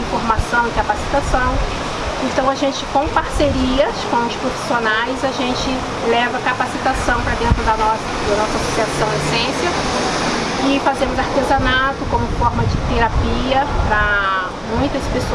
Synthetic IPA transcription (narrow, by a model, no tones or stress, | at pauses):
ĩfoɾmasɐ̃w̃ɪkapasi̥t̪asɐ̃w̃ | ẽt̪ɐ̃w̃aʒẽt͡ʃɪkõw̃paɾseɾiɐskõw̃ʊspɾofi̥sionajzaʒẽnt͡ʃɪ | lɛvɐkapasit̪asɐ̃w̃pɾɐd̪ẽnt̪ɾʊd̪ɐnɔs | d̪ɐnɔsɐasosiasɐ̃w̃esẽsiɐ | ɪfazẽmʊzaɾt̪ezanat̪ʊkõmʊfɔɾmɐd͡ʒɪt̪eɾapiɐpɾɐ | mũj̃t̪ɐspeso